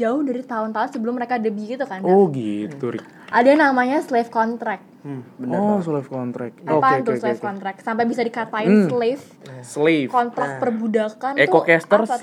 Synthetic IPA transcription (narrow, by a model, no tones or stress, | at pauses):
d͡ʒaʊhdaɾit̪aʊnt̪aʊnsəbəlʊmːəɾekadəbiɡit̪ukanoɡitt̪uɾ | ʔadaanamaɲaslɪfkɔnt̪ɾɛk̚ | bənɔslifkɔnt̪ɾɛ̰k̚apant̪ʊslefkɔnt̪ɾɛk̚sampajbisadikat̪aɪnslɪf | slifkɔnt̪ɾak̚pərbudakanekokɛst̪ər